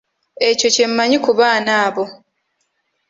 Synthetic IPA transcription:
e̞co̞ce̞mːaɲikuβaːnaːβo̞

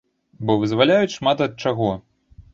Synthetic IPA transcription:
bɔvɨzvalʲajut͡sʲʂmat̪ɐt̪̚t͡ʂaɣɔ

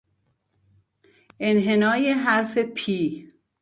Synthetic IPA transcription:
enɦenɒːjeɦæɾfepʰiː

